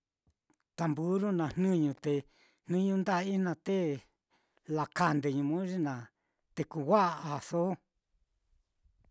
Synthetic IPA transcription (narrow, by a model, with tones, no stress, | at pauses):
t̪a˨mbu˦ɾu˦nã˨n̥nũ˦ɲũ˧t̪e˨˧ | n̥nũ˦ɲũ˦nd̪a˦˧˦i˦nã˧t̪e˦ | la˨ka˧nd̪e˨ɲũ˧mũ˦ʐi˦nã˨ | t̪e˧ku˧wʷa˦ʔa˨so˦